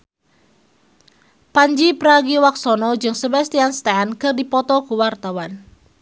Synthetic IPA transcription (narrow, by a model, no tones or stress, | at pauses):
paɲd͡ʒipəɾaɡiwak̚sɔnɔd͡ʒɨŋsəbast̪ianst̪ankɨrdipɔt̪ɔkuwart̪awan